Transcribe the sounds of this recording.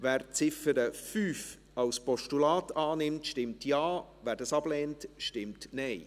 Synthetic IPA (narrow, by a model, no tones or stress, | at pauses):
væːɾt͡sɪfəɾəfyːf | ɑwspɔʃtulɑːtɑːnɪmtʃtɪmtjɑːvæːɾdɑsɑb̥lɛːntʃtɪmtnɛɪ